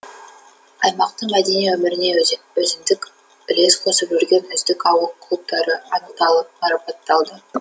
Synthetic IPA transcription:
ɑjmɑq̚t̪əɴmæd̪eniɵmɪɾɪne̞ | ɵzɪmd̪ɪk | bɪle̞sqʰo̞səpʒʏɾɡʲe̞nɵzd̪ɪkɑwəqkːʰlˠup̚t̪ɑɾəɑnəqt̪ɑlˠəp̚ɑɾɑpɑt̪ːɑlˠd̪ə

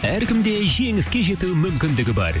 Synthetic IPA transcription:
æɾkʲɪmd̪e̞ʒe̞ŋɪskʲe̞ʒe̞t̪umʏmkʲɪnd̪ɪɡʲɪbɑ̰ɾ

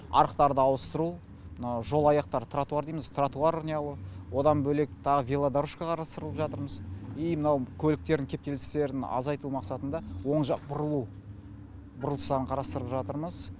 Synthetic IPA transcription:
ɑ̰ɾəqt̪ɑɾd̪əɑwəst̪əɾu | mnɑwʒo̞lˠɑjɑqt̪ɑɾt̪ʰrat̪uaɾd̪ejmɪzt̪ʰrat̪uɑɾʊnʲejɑlˠəwo̞d̪ɑnbɵle̞k̚t̪ʰɑʁəvʲelˠad̪aɾuʃkɑqʰɑɾɑst̪əɾəlˠəpʒɑt̪əɾməzijmənɑwkʲʰɵlɪk̚t̪e̞ɾd̪ɪŋkʲʰe̞p̚t̪e̞lɪse̞ɾɪnɑ̰zɑjt̪umɑqsɑt̪ənd̪ɑwo̞ɴʒɑq̚bʊɾəlˠu | bʊɾəlˠəsɑɾəɴqʰɑɾɑst̪əɾəpʒɑt̪əɾməz

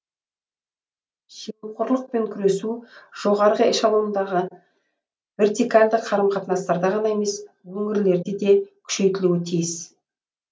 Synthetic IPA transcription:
ʒijmqoɾlˠəq̚pe̞ŋkʲʰʏɾe̞suʒ̥o̞ʁɑɾʁəɪʃɑlˠuənd̪ɑʁə | ve̞ɾt̪ikalʲd̪əqʰɑɾəmqʰɑt̪ənɑst̪ɑɾd̪ɑʁɑnɑe̞me̞s | wɵŋɪɾle̞ɾd̪ed̪e̞kʲʰʏ̥ʃe̞jt̪ɪluwɪt̪ʰijɪs

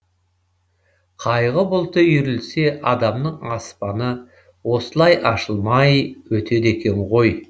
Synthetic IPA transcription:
qʰɑjʁəbʊlˠt̪əjʏɾɪlse̞ʔɑd̪ɑmnəɴɑspɑnə | wo̞səlˠɑjʔɑʃəlˠmɑjwɵt̪ʰe̞d̪ekʲe̞ɴʁo̞j

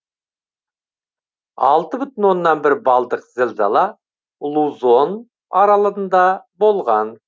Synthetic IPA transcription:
ɑ̰lˠt̪əbʏt̪ɪnwo̞nːɑnbɪɾbɑlˠd̪əqzɪlʲzɑ̰lˠɑ | lˠuzo̞n | ɑɾɑlˠəɾənd̪ɑbo̞lˠʁɑn

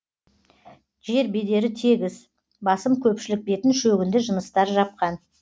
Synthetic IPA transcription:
ʒe̞ɾbe̞d̪e̞ɾɪt̪ʰe̞ɡʲɪz | bɑsəmkʲʰɵpʃɪlɪk̚be̞t̪ɪnʃɵɡʲɪnd̪ɪʒənəst̪ɑɾʒɑp̚qɑn

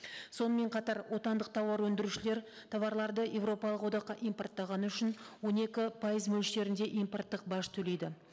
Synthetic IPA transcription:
so̞nəme̞ɴqʰɑt̪ɑɾwʔo̞t̪ɑnd̪əqt̪ʰɑwɑɾwɵnd̪ɪɾuʃɪle̞ɾ | t̪ʰɑvɑɾlˠɑɾd̪əje̞vro̞pɑlˠəqwo̞d̪ɑqqːɑʔijmpo̞rt̪ːɑʁɑnəʏʃɪnwo̞ne̞kʲɪpʰɑjəzmɵlʃe̞ɾɪnd̪e̞ʔijmpo̞rt̪ːəq̚bɑʃt̪ʰɵle̞jd̪ɪ

